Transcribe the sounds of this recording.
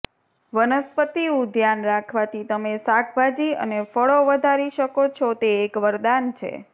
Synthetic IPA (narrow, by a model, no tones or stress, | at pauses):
ʋənəspət̪iũd̪ʱjanɾakʰʋat̪ʰit̪əmesakʰbʱad͡ʒiə̰nefəɭoʋəd̪ʱaɾiʃəkot͡ʃʰot̪eːkʋəɾd̪ant͡ʃʰḛ